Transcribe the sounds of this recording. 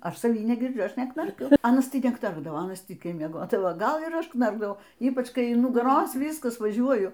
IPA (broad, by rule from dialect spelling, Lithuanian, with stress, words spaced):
ˈɐʃ sɐˈʋʲiː nʲɛɡʲɪrʲˈd͡ʒʲʊ ˈɐʃ nʲɛknɐrʲˈkʲʊ ˈɑːnɐs tɐɪ nʲɛˈknɐrɡdɐʋoː ˈɑːnɐs ˈtʲiːkʲɛɪ mʲiɛˈɡoːdɐʋoː ˈɡɐlˠ ɪr ˈɐʃ ˈknɐrɡdɐʋɐʊ ˈiːpɐt͡ʃ ˈkɐɪ ɪn nʊɡɐˈroːs ʋʲiːskɐs ʋɐˈʒʲuɔjʊ